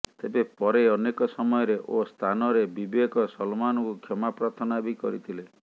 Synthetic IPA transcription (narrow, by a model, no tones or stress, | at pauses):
t̪ebepɔɾeɔnekɔsɔmɔjɔɾeʔost̪ʰanɔɾebibekɔsɔlmanɔkukʰjɔmapɾat̪ʰɔnabikɔɾit̪ʰile